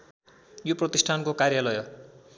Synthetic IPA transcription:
joprʌt̪isʈʰankokarjalʌjʌ

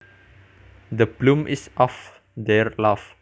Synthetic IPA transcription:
d̪əblũmʔisʔɔf | d̪ɛɹlaf

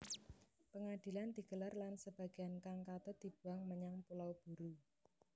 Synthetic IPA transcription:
pəŋad̪̥i̤land̪̥i̤ɡ̥əlarlansəb̥a̤ɡ̥e̤ankaŋkat̪əd̪̥i̤b̥ṳaŋməɲaŋpulawb̥uɾu

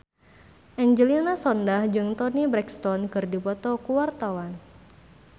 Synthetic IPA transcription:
ʔɛɲd͡ʒəlinasɔndahd͡ʒɨŋt̪ɔnibɾɛkst̪ɔnkɨrdipɔt̪ɔkuwart̪awan

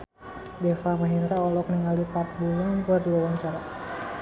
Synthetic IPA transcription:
dɛfamaɦinɾaɔlɔkəniŋalipart̪̚bulaŋnkuardiwawaɲt͡ʃaɾa

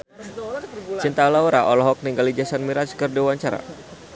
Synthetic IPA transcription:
t͡ʃint̪alauɾaʔɔlɔɦɔk̚niŋɡalid͡ʒasanmiɾat͡ʃkərdawaɲt͡ʃaɾa̰

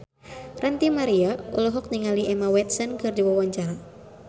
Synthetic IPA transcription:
rənt̪imaɾiaulɔɦɔk̚niŋaliɛmawɛt̪̚sɔnkɨrdiwawaɲt͡ʃaɾa

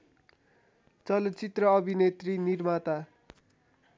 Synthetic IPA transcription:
t͡sʌlʌt͡sit̪rʌʌbʱinet̪rinirmat̪a

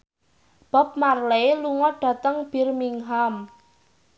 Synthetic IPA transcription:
b̥a̤p̚marleluŋɔɖ̥ä̤t̪əŋb̥i̤rmiŋɦam

